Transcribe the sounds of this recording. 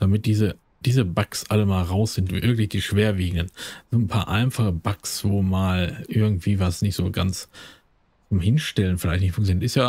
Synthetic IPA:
d̥amɪt̚d̥iːzə | d̥iːzəbaksʔaləmaːlʁaʊsz̥ɪntːʔɪɐɡŋ̩tɪçd̥iːʃv̥eːɐviːɡŋ̩dənz̥oːnpʰa̰ːɐʔaɪnfaχəbaksv̥oːmaːlʔɪɐɡŋ̩tv̥iːvasnɪçtz̥oːɡant͡s | t͡sʊmhɪnʃtɛlənfɪlaɪçtnɪçtfʊŋktt͡sjonitɪstjaː

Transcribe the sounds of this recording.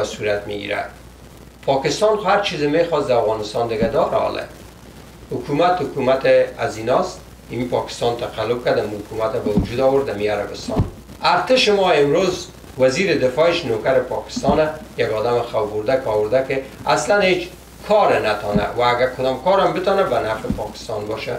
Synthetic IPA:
suɾat̪mḭɡḭɾa̰d̪ | pʰɔkɪst̪ɑnxʊhaɾt͡ʃʰizemexɔsd̪aafɣɑnɪst̪ɑnd̪ɪɡad̪ɔɾaɔ̰lʔḛ | hʊkumat̪hʊkumat̪ɪazinɔst̪ | ɪmipɒkɪ̥st̪ɑnt̪aqalːʊb̚kad̪amuhʊkumat̪abawud͡ʒud̪ɔwʊɾd̪amiaɾa̰bɪst̪ɑ̰n | aɾt̪ɪʃɪmɔɪmɾoz | waziɾɪd̪ɪfɔɪʃnokaɾɪpɒkɪ̥st̪ɑnajaɡɔd̪amɪxawbʊɾd̪akɔwʊɾd̪akɪaslanhet͡ʃ | kʰɔɾenat̪ɔna̰waːɡakʰʊd̪ɔmkɔɾambɪt̪ɔnabanafɪpɔkɪ̥st̪ɑ̰nbɔ̰ʃa̰

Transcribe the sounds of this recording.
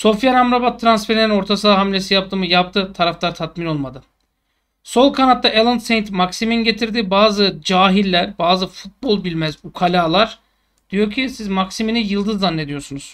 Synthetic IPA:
so̞fjanamɾabat̪ʰːɾansfe̞ɾinino̞ɾt̪ʰasɯaɦamlʲe̞sijap̚t̪ʰɯːmɯjap̚t̪ʰɯt̪ʰaɾaflˠaɾt̪ʰat̪mino̞lˠmad̪ɯ | so̞lˠkʰanat̪ːaʔelˠɯnt̪sejnt̪maksiminɟe̞t̪ʰiɾd̪ibaːzɯd͡ʒaːɦilʲːæɾbaːzɯfut̪̚bo̞lˠbilʲmæzukʰalʲaːlˠaɾ̥ | d̪̥ijo̞ɾcʰisizmaksiminijɯlˠd̪ɯzːanːe̞d̪ijo̞ɾsunuz̥

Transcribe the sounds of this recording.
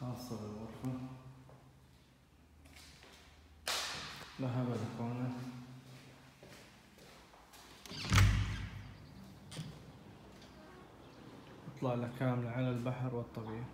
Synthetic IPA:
ɑsˤɑɾɪlɣʊɾˤfa | ðaɦabalakoːna | ʔɨt̪ˤlɑʕlakaːmlaʕalalbaħɾwɨt̪ˤːɑbiːʔ

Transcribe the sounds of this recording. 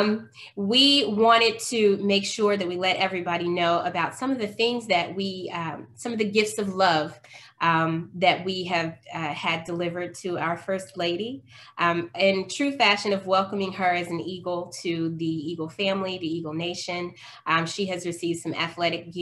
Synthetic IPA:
m | wiwɑ̃ɾ̃ɨd̚tʰɨmeɪkʃʊɹðɨt̚wilɛɾʔɛvɹibɑɾinoʊəbaʊtsʌ̃mʌvðɨθɪ̃ŋzðɨʔ̚wisʌ̃mʌvðɨɡɪftsʌvlʌv̥ʔmðɨt̚wiɨvɨdəlɪvə˞d̚tʰɨaʊə˞fɜ˞stˡleɪɾi | ʔɪ̃ntʰɹ̥ʉfæʃɨ̃nʌvwɛlˠkə̃mɪ̃ŋə˞ɨzn̩iɡl̩ˠtʰɨðiiɡl̩ˠfæ̃mliðiiɡl̩ˠneɪʃɨ̃n | ʃiɨzɹɨsivd̥sʌ̃mɨ̰θlɛɾɨk̚ɡ̥

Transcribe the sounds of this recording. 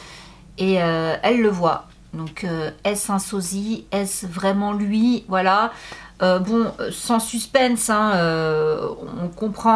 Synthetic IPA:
eøɛlːəvwa | d̪ɔ̃kʰøɛsɛ̃sɔziɛsvʁɛmɑ̃lɥivwalaøbɔ̃ø̰sɑ̃syspɛnsɛ̃ø̃ | ɔ̃kɔ̃pχɑ̃

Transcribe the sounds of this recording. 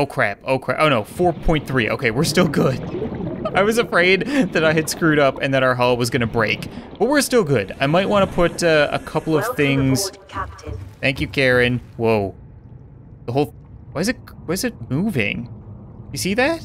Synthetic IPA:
oʊkʰɹ̥æ̰poʊkʰɹ̥æ̰ʔoʊnoʊfɔɹpʰɔ̃ɪ̃nθɹiʔoʊkʰeɪwɨɹstɪlˠɡʊd̥aɪwʌzɨfɹeɪd̪̚ðɨɾaɪɨd̥skɹʉɾʌpɨ̰̃nðɨɾaʊə˞ɦɑlˠwʌzɡʌñɨbɹeɪkb̥ʌt̚wɪɹstɪlˠɡʊdaɪmaɪt̚wɑ̃ñəpʰʊɾʌə̰kʰʌpl̩ˠʌv̥θɪ̃ŋz̥ | θæ̃ŋkjʉkʰɛɹɨ̃nwoʊ | ðəɦoʊlˠ | waɪɨzɨt̚wʌzɨt̚muvɪ̰̃ŋ̥ɨjɨsiðæt̚

